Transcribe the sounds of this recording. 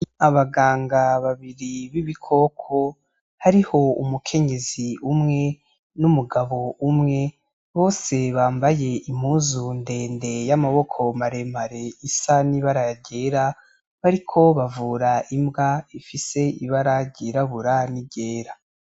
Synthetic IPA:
aβaɡaːŋɡaβaβiɾiβiβikʰo̞kʰo̞ | haɾiho̞ṵmukʰe̞ɲe̞ziumŋe̞ | numuɡaβo̞umŋe̞ | βo̞ːse̞βaːmbaje̞im̥huːzunde̞ːnde̞jamaβo̞kʰo̞maɾe̞maɾe̞isaniβaɾaaɟe̞ːɾa | βaɾikʰo̞βavuːɾaʔimbɡaifise̞iβaɾaɟiɾaβuɾaniɟe̞ːɾa

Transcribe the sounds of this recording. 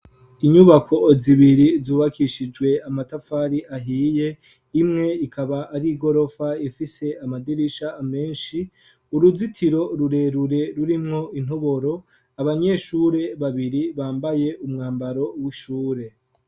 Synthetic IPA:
iɲuβakʰo̞ziβiɾizuːβakiʃid͡ʒɡwe̞amatafaːɾiʔaɦiːje | imŋe̞ikʰaβaʔːɾiɡo̞ɾo̞faifise̞amadiɾiʃaːme̞ːnʃi | uɾuzitʰiɾo̞ɾuɾe̞ːɾuɾe̞ɾuɾimŋo̞in̥oβo̞ɾo̞ | aβaɲe̞ʃuːɾe̞βaβiɾiβaːmbaje̞umŋaːmbaɾo̞wiʃuːɾe̞

